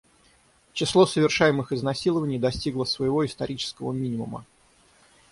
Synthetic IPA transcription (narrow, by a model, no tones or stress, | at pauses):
t͡ɕɪslˠo̞səvʲɪrʂajɪmɨxɪznɐsʲilˠəvənʲɪjd̪ɐsʲtʲiɡlˠəsvəjɪvo̞ɪst̪ɐɾʲit͡ɕɪ̥skəvə̰mʲinʲɪmumə̰